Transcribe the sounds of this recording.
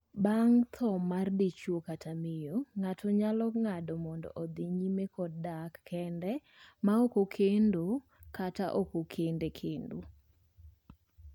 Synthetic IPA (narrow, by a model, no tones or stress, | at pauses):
baŋt̪ʰɔmardit͡ʃwokatʰamɪjɔŋatʰɔɲalɔŋadɔmɔndɔ̰ʔɔd̪iɲimekɔddakːɛndɛ | maokokʰendo | kata̰ʔokokʰendekʰendo̰